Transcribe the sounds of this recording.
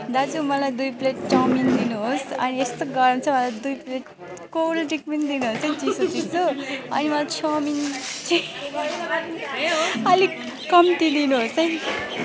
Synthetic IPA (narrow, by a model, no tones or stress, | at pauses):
d̪ad͡zumʌlajd̪ujpleʈʈʌmind̪inuɦosʌ̰niest̪oɡʌɾnt͡sʰʌmʌlajd̪ujpleʈ | kolʈikmind̪inuɦosʌjt͡sisot͡sisʰoʌ̰nimʌlat͡sʰʌmint͡sʰi | ʌli | kʌmt̪id̪inuɦosʌj